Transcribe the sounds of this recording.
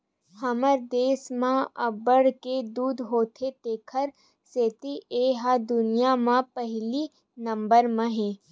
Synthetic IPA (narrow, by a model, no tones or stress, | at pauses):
hɐməɾd̪eːsmãɐbəɽked̪uːd̪ɦoːt̪ʰet̪eːkʰəɾ | seːt̪iʔeːɦad̪ʊnijamãpəɦli | nɐ̃mbəɾmẽɦẽː